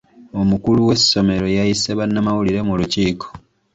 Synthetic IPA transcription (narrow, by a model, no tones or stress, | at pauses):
o̞mukuluwe̞sːo̞me̞ɾo̞jajiseβanːamawuliɾe̞muluciːkʰo̥